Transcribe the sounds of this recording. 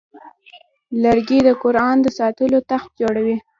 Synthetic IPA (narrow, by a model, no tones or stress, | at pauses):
ləɾɡid̪əkʊɾɑnd̪əsɑt̪əlot̪axt̪̚d͡ʒoɽawi